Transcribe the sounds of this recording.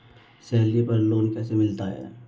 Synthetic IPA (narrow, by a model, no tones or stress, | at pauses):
sɛɦlipɐɾloːnkɛːsemɪlt̪aɦɛ̰ː